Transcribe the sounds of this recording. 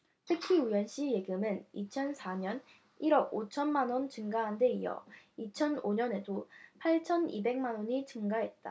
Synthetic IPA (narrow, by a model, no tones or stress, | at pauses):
tʰɯkʰiujʌnɕ͈ije̞ɡɯmɯnit͡ɕʰʌnsʰaɲʌn | iɾʌɡot͡ɕʰʌnmanwʌnt͡ɕɯŋɡaɦande̞ijʌ̰it͡ɕʰʌnoɲʌne̞dopʰaɭt͡ɕʰʌnibe̞ŋmanwʌɲit͡ɕɯŋɡaɦe̞t̚t͈a̰